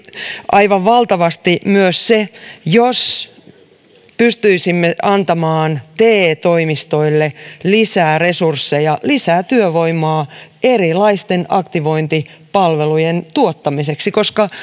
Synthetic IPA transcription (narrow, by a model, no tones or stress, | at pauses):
ʔɑiʋɑʋʋɑlt̪ɑʋɑst̪imyøssejos | pyst̪yisimːeɑnt̪ɑmɑːnt̪eːt̪oimist̪oilːelisæːresursːejɑlisæːt̪yøʋoimɑːerilɑist̪enɑ̰kt̪iʋo̞int̪i | pɑlʋelujent̪uot̪ːɑmiseksikoskɑ